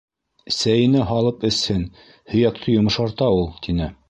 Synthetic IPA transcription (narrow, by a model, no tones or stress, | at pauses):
sæjɘ̆nɘɦɑlˠɤpɘ̆shɘn | hɵ̆jæk̚t̪ʰɤjŏmɤ̆ʃɑɾt̪ɑulˠt̪inɘ